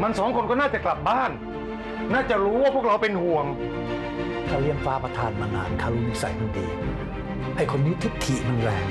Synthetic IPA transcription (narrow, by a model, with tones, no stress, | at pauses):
ma˧nsɔː˩˦ŋkʰo˧nkɔː˥˩naː˥˩t͡ɕa˨˩kla˨p̚baː˥˩n | naː˥˩t͡ɕa˨˩ʔɾuː˦˥waː˥˩pʰu˥˩kʰa˧wpe˧nhu˨˩əŋ | kʰaː˧˩wli˧əŋfaː˦˥pa˧t̪ʰaː˧nmaː˧na̰ː˧˩nkʰaː˧˩wlu˧ŋsa̰˨˩˦jma˧nt̪iː˧˩ | ha˥˩jkʰo˧nːiː˦˥t̪ʰi˦˥k̚t̪ʰi˨˩mɯ˧ŋlɛː˧˩ŋ